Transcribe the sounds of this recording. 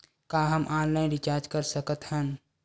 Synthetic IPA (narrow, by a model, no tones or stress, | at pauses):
kaːɦəmʔãːnlaːɪ̃nɖɪt͡ʃaːɾd͡ʒkəɾsəkət̪hən